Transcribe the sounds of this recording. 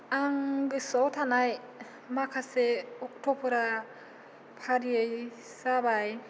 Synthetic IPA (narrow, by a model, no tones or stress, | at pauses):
aŋɡisɔwt̪ʰanaj | makʰaseɔk̚tʰopʰuɾa | pʰaɾiej | sabaj